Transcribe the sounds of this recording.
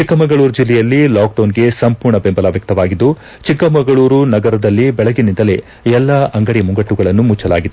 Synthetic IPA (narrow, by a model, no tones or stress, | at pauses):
t͡ʃikːɐmɐŋɡɐɭuːɾd͡ʒilːɛjɐlːilaːk̚ɖɐːnɡe̞sɐmpuːɾɳɐbembɐlɐʋjɐk̚t̪ɐʋaːɡid̪ːu | t͡ʃikːɐmɐŋɡɐɭuːɾunɐɡɐɾɐd̪ɐlːibɛɭɐɡinind̪ɐle̞ | ɛlːɐʔɐŋɡɐɽimuŋɡɐʈːuɡɐɭɐnːumut͡ʃːɐla̰ːɡid̪u